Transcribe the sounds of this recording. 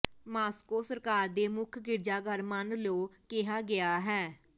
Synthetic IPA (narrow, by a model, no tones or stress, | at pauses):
maːskoːsəɾkaːɾd̪eːmʊkʰɡɪɾd͡ʒaːɡəɾmənloːkɪɦaːɡɪaːɦɛː